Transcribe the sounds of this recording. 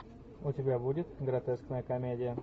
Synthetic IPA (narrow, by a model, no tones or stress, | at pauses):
ʊtʲɪbʲabudʲɪt̪ɡɾɐt̪ɛsknəjəkɐmʲedʲɪjə